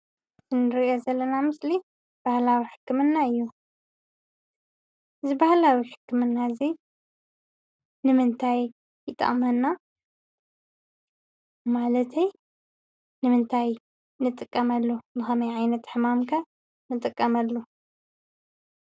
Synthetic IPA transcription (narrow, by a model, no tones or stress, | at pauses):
zɨnɨɾiʔozɐlːɐnamɨsli | b̥ahlawiħɨ̥kʰːɨmɨnːaɨjːu | ɨzɨbahlawiħɨ̥kʰːɨmɨnːazi | nɨmɨnt̪ʰaj | jɨt̪ʼːɐ̰χʼmɐnːa | malɐt̪ʰej | nɨmɨnt̪ʰaj | nɨt̪ʼɨkʼːɐmɐlːobɨxɐmɐjʕajnɐt̪ħɨmamkʰɐ | nɨt̪ʼɨkʼːɐmɐlːu